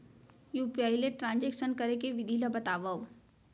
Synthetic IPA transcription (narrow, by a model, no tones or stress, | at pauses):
juːpiaːileʈɾãːnd͡ʒeːkʃənkɐɾekeʋɪd̪ʱilabɐt̪aːʋao